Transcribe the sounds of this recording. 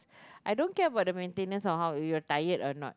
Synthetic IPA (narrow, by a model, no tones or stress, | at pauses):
ʔajdõnkɛəbaʊt̚dəmẽntẽnə̃nsɔnɦawjɔtajətɔnɔ̰t̚